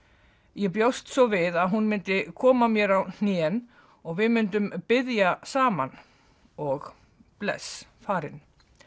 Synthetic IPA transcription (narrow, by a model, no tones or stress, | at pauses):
jɛpjowst̪sɔvɪðaðɦunmɪnt̪ɪkʰɔːmamjɛɾawn̥jɛn | ɔɣvɪðmʏnt̪ʏmpɪðjasaːma̰n | ɔɣ | plɛ̰sfaːɾɪn